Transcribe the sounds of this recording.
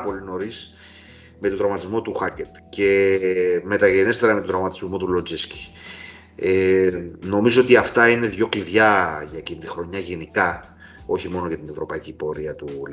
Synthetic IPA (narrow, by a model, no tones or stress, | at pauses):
po̞lino̞ɾis | me̞t̪od̪ɾɐmɐt̪izmo̞t̪uxɐcet̪ce̞ | me̞t̪ɐʝene̞st̪eɾɐme̞t̪od̪ɾɐmɐt̪i̥zmo̞t̪ulo̞d͡zisci̥ | eno̞mizo̞o̞t̪iɐft̪ɐine̞ðʝo̞kliðʝɐʝɐcinit̪ixɾo̞ɲɐʝenikɐ | o̞çimo̞nocɐt̪ine̞vɾo̞pɐicipo̞ɾiɐt̪ul